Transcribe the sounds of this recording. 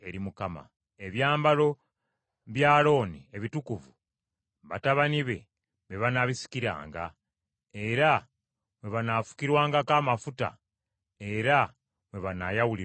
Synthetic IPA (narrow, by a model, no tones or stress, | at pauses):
e̞ɾimukama̰ | eβjaːmbalo̞ | βjaːlo̞ːnie̞βitukuvu | βataβaniβe̞ | βe̞βanaβisi̥kiɾa̰ːŋɡa̰ | e̞ɾa | mwe̞βanafu̥kiɾwaːŋɡakaːmafuta̰ | e̞ɾa | mwe̞βanajawuli